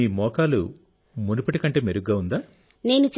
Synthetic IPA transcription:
iːmɔːkaːlu | munupɐʈikɐɳʈe̞ːmeɾuɡɡaːund̪aː | ne̞ːnut͡ʃ

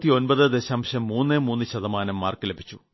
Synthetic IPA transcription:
t̪ːio̞nbɐðɨd̪e̞ɕaːmɕɐmːuːnːemuːnːɨɕɐðɐmaːnɐmːaːrkɨlebʱi̥t͡ɕːu

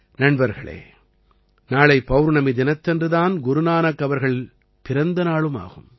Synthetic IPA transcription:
nɐɳbɐɾɣɐɭḛː | naːɭɐɪpːɐʋɾnɐmid̪ɪnɐt̪ːɛndrɯðaːnɡʊɾʊnaːnɐkːɐʋɐɾɣɐɭ | pɪɾɐnd̪ɐnaːɭɯma̰ːɣɯm

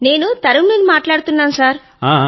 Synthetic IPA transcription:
ne̞ːnut̪ɐɾumeːlimaːʈlaːɽut̪unːaːnusaːɾ | aː

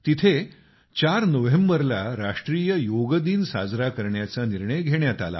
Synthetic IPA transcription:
t̪it̪ʰe | t͡ɕaɾnəʋembəɾlaɾaʂʈɾiːjəjoɡd̪iːnsa̰d͡zɾakəɾɳjat͡saniɾɳəjɡʱeɳjat̪a̰la̰

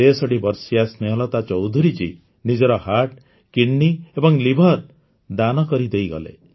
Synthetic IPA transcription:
esɔɽibɔɾsiasneɦɔlɔt̪at͡ʃɔwd̪ʱuɾit͡ʃi | nid͡ʒɔɾɔhaʈ | kiɳːiebɔŋlibʱɔɾ | d̪anɔkɔɾid̪ejɡɔ̰lḛ

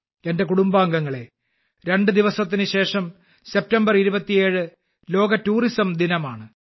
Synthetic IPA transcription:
e̞nde̞kuɽumbaːŋɡɐŋːɐɭe | ɾe̞ɳɖɨd̪iʋɐsɐt̪ːinɨɕe̞ːʂɐm | se̞p̚tɐmbɐriɾubɐt̪ːije̞ːɻɨ | lo̞ːɡɐtːuːrisɐmd̪inɐmaːɳɨ

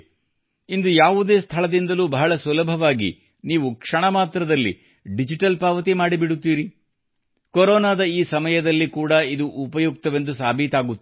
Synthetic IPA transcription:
ind̪ujaːʋud̪e̞ːst̪ʰɐɭɐd̪ind̪ɐluːbɐɦɐɭɐsulɐbʱɐʋaːɡḭ | niːʋukʂɐɳɐmaːt̪ɾɐd̪ɐlːḭ | ɖid͡ʒiʈɐlpaːʋɐt̪̬imaːɽibiɽut̪ːiːɾi | koɾɔːnaːd̪ɐiːsɐmɐjɐd̪ɐlːikuːɽɐid̪uʔupɐjuk̚t̪ɐʋe̞nd̪usaːbʱit̪aːɡut̪ː

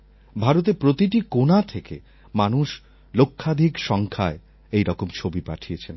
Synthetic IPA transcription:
bʱaɾot̪̬epɾot̪iʈikonat̪ʰekḛ | manuʃ | lokʰːad̪ʱikʃɔŋkʰae | ejɾɔkomt͡ɕʰobipaʈʰijet͡ɕʰen

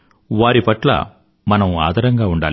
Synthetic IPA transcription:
ʋaːɾipɐʈlɐ̰ | mɐnɐma̰ːd̪ʱɐɾɐŋɡaːuɳɖaːli

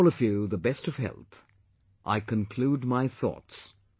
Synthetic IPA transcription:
lˠʌvjʉðəbɛstʌv̥ɦɛ̰lˠθ | ʔa̰ɪkʰɨ̃nkʰl̥ud̚maɪθɔ̰ts

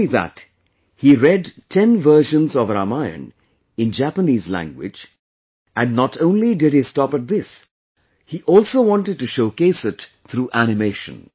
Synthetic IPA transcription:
iðæ̰t | hiɾɛdtʰɛ̃nvɜ˞ʃə̃nzɔvɾamaɪɨ̰̃n | ɪ̃nd͡ʒæpəniːzlæ̰̃ŋɡwɪ̰d͡ʒ | æ̃nːətʰõʊ̃nlidɪd̚histɑpɨt̪̚ðɪs | hiʔɔlˠsoʊwɑ̃ntɨd̚tɨʃoʊkeɪsɨt | t̪ʰɾuːʔænɨmeɪʃə̰̃n

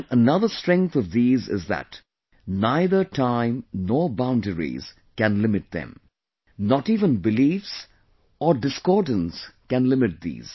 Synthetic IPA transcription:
ənʌðəstɹɛ̃ŋk̚θɔvðiːzɪ̰zðæ̰t | naɪðə˞tʰãɪ̃mnɔːɹbãʊ̃ndəɹḭz̥ | kæ̃nlɪmɨt̚ðɛ̰̃m | nɔtiːvə̃nbɪliːfs | ɔɖɪskɔɹdə̃n̩skæ̃nlɪmɪt̚ðḭːz̥

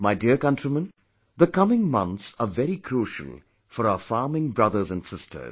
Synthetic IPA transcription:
maɪdiəkʌ̃ntɹ̥imə̃n | ðəkʌmɪ̃ŋmʌ̰̃nt̪səvɛɾikʰɾuːʃə̰l̩ˠ | fɔɾaʊəfɑːmɪ̃ŋbɹʌðə˞zə̃nsɪstʰə̰˞z

